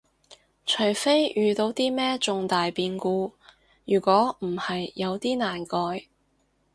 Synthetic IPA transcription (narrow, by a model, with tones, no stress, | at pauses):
t͡ʃʰɵ˨˩jfe˥jjyː˨˧t̪o˨˧wt̪iː˥mɛː˥t͡sʊ˨ŋt̪aː˨jpiː˧nkuː˧ | jyː˨˩kʷɔː˨˥m̩˨˩hɐ˨jːɐ˨˧wt̪iː˥naː˨˩nkɔː˧j